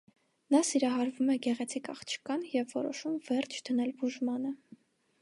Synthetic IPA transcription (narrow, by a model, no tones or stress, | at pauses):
nɑsiɾɑɦɑɾvumɛɡɛʁɛt͡sʰikɑ̰χt͡ʃʰə̥kɑnjɛvːɔɾɔʃumvɛɾt͡ʃʰd̪̥ənɛlbuʒmɑnə